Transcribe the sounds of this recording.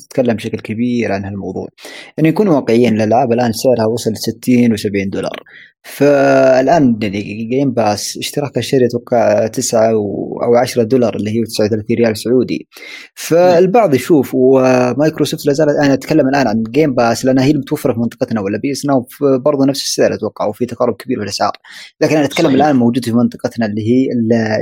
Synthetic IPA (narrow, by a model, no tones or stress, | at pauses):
ɪ̥t̪kalːambʃaklkabiːɾʕanhalmɑwðˤṵːʕʔɪnːinkuːnwɑːqɪʕiːnɪlʔalʕaːbɪlʔaːnsɪʕɾhawɑsˤɑlsɪt̪ʰːiːnwsabʕiːnd̪ʊlɑ̰ɾˤ | faɪlʔaːnjaʕniɡeːmbaːsʔɪʃt̪ɑɾˤɑːkaʃːaɾjat̪wɑqːɑʕt̪ɪsʕawʔa̰wʕaʃɾˤɑd̪ʊlɑɾˤʔɪlːihiːt̪ɪ̥sʕawθalaːθiːnɾɪjaːlsʊʕuːd̪ḭ | faɪlbɑʕðˤjʃuːfwmaːjkɾosoːft̪lazaːlaʔanaʔat̪kalːamalʔaːnʕanɡeːmbaːslɪʔanːahiːlmʊt̪wafːɑɾˤfimɪnt̪ˤɨ̥qɑt̪nawalːabiʔsnafbɑɾˤðˤunafsɪ̥sːɪd̪alʔat̪wɑqːɑ̰ʕwfit̪ɑqɑɾˤːʊb̚kabiːɾfɪlʔasʕɑ̰ːɾlaːkɪnʔanʔt̪kalːamalʔaːnmowd͡ʒuːd̪fimɪnt̪ˤɨ̥qɑt̪nalːiːɦiːl